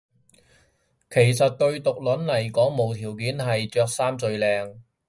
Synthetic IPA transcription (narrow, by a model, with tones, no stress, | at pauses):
kʰe˨˩js̬ɐ˨t̚t̪ɵ˧ɥt̪ʊ˨k̚lɵ˨˥nlɐ˨˩jkɔː˨˥ŋmo˨wt̪ʰiː˨˩wkiː˨˥nhɐ˨jt͡sœː˧k̚saː˥mt͡sɵ˧ɥlɛː˨˧ŋ